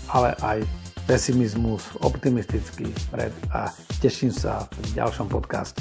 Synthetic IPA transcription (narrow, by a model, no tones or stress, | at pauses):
alɛ̰ʔajpɛsimizmusɔpt̪imist̪it͡skipɾɛ̰d̪a̰ | cɛʃimsa̰pɾiɟa̰lʃɔmpɔt̪ka̰ːscɛ̥